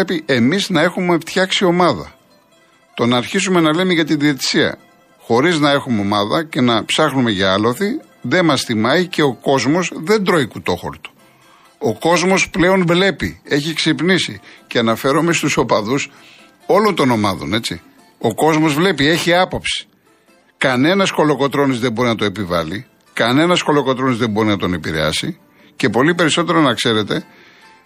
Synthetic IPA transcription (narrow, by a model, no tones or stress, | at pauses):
epiʔe̞miznɐe̞xume̞ft̪çɐksio̞mɐðɐ̰ | t̪o̞nɐːɾçisume̞nɐvlemeʝɐt̪iðiet̪i̥siɐ̰ | xo̞ɾiznɐe̞xumeo̞mɐðɐce̞nɐpsɐxnume̞ʝɐɐlo̞θi | ðe̞mɐsθimɐice̞o̞ko̞zmo̞zðe̞nd̪ɾo̞ikut̪o̞xo̞̰ɾt̪o̥ | oko̞zmo̞sple̞o̞nvle̞pḭe̞çiksipnisiceɐnɐfe̞ɾo̞mest̪uso̞pɐðus | o̞lo̞nt̪o̞nomɐðo̞̰ne̞t͡sḭ | o̞ko̞zmo̞zvle̞pie̞çiɐpopsi̥ | kɐne̞nɐsko̞lo̞ko̞t̪ɾo̞nizðe̞bo̞ɾinɐt̪oepivɐ̰li | kɐne̞nɐsko̞lo̞ko̞t̪ɾo̞nizðe̞bo̞ɾinɐt̪one̞piɾe̞̰ɐ̰si | ce̞po̞lipe̞ɾiso̞t̪̬e̞ɾo̞nɐkse̞ɾe̞t̪e̞